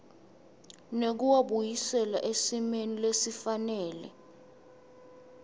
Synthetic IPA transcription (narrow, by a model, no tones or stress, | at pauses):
nek̬uwaɓujisɛlaʔesimenilesifanɛːlɛ̰